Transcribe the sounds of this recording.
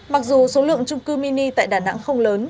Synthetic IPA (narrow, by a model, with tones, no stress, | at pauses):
ma˨˩k̚zu˨˩so˨˦lɨ̰˧˨əŋt͡ɕʊ˧ŋ͡mkɨ˧mi˧ni˧t̪a̰ː˧˨jɗaː˨˩na̰˧˥ŋxə˧wŋ͡mləː˨˦n